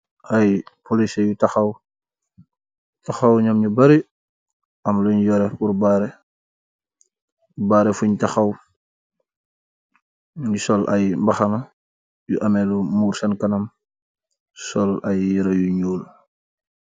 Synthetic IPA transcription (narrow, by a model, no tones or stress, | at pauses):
ɐjpolisɛjutɐxɐw | tɐxɐwɲɐmɲubɐɾi | ɐmluɲjɔɾɛpuɾbaːɾɛ | baːɾɛfuɲtɐxɐw | ɲusɔlʔɐ̰jmbɐxɐnɐ | juʔɐmɛlumuːɾsɐnkɐnɐm | sɔlɐjːiɾɐjuɲuːl